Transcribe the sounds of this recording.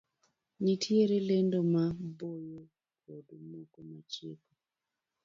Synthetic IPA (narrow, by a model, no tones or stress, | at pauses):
ɲitʰjeɾelendomabojo | kodomoɡomat͡ʃeko